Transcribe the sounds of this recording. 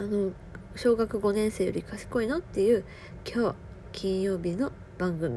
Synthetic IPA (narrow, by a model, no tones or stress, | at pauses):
ano̞ | ɕo̞ːɡakɯ̟ɡo̞nẽ̞ɰ̃se̞ːjo̞̰ɾʲikaɕi̥ko̞ino̞t̪ːe̞jɯ̟ː | kʲʰo̞ː | kʲĩɰ̃jo̞ːbʲino̞ | b̥ãŋɡɯ̟mʲi